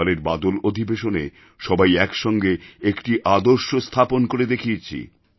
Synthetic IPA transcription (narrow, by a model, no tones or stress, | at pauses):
leɾbad̪olod̪ʱibeʃone | ʃɔbajɛkʃɔŋɡeekʈiʔad̪oɾʃost̪ʰaponkoɾed̪ekʰiet͡ɕʰḭ